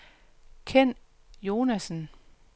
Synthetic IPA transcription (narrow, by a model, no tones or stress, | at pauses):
kʰen̰ | jo̝ːnæsn̩